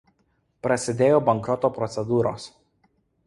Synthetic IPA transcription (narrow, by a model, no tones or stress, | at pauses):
pɾɐsʲɪd̪ʲeːjoːbɐŋkɾɔt̪oːpɾɔt̪sʲɛd̪uːɾoːs